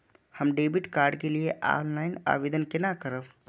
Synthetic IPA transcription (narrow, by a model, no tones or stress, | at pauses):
həmɖebiʈkaɾɖkelieʔa̰nlaɪna̰bed̪ənkenakəɾəb